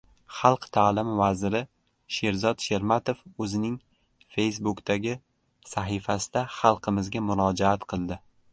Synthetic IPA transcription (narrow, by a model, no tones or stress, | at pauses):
χɑlˠqt̪ʰaːlɪmvazɪɾɪ | ʃe̞ɾzɒd̪ʃe̞ɾmat̪ofɵzɪnɪŋ | fe̞jsbʊkt̪ʰaɡʲɪ | saɦɪfasɪd̪aχɑlˠqʰɨmɪzɡʲamʊɾɒd͡ʒaat̪qʰɨlˠd̪ɪ